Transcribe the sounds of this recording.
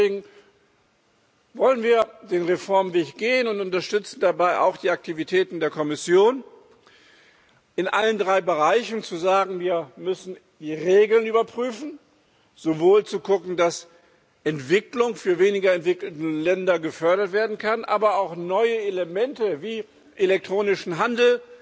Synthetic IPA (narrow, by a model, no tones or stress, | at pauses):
eːɡŋ̩ | vɔlənviːɐdeːnʁefɔɐmveːçɡ̥eːənʊntʊntɐʃtʏt͡sn̩dabaɪʔa̰ʊxd̥iːak̚tʰivitʰɛːtn̩deːɐkʰɔmɪsjoːn | ʔɪnʔaləndʁaɪbəʁaɪçn̩t͡suzaːɡŋ̩viːɐmʏsn̩ | d̥iːʁeːɡl̩nyːbɐpʁ̥yːfn̩ | z̥ovoːlt͡suɡʊkŋ̩das | ʔɛntv̥ɪklʊŋfyːɐveːnɪɡɐɛntv̥ɪkl̩təlɛndɐɡəfœɐɾɐtv̥eːɐdn̩kʰadnʔaːbɐaʊxnɔʏəeləmɛntəviː | ʔelɛk̚tʁ̥oːnɪʃn̩ɦandl̩